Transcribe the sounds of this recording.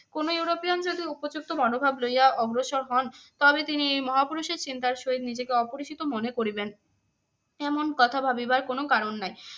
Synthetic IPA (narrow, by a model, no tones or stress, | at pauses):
konojuɾopijand͡ʑod̪iupod͡ʑuk̚t̪obɔnobʱablojaɔbɾoʃoɾɦɔnt̪ɔbet̪iniejmɔɦapuɾuʃeɾt͡ɕint̪aɾʃoɦid̪nid͡ʑekeɔpoɾiʃʰit̪omonekoɾiben | ɛmonkɔt̪ʰabʱabibaɾkonokaɾonːaj